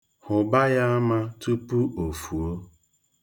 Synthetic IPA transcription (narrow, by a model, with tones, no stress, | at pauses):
hʊ˨ba˦ja˦a˦ma˦tu˦pu˦ʔo˨fu˨o˦